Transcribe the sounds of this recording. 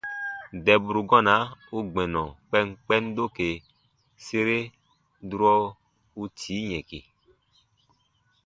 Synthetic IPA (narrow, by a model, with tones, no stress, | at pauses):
dɛ˨bu˨ɾu˨ɡɔ̃˦nã˨˦u˦ɡ͡bɛ̃˨nɔ̃˨k͡pɛ˦ŋ˦k͡pɛ˦n˦do˦ke˨ | se˦ɾe˦ | du˦ɾɔ˦ | u˦tʰi˨˦ɲɛ̃˨ke˨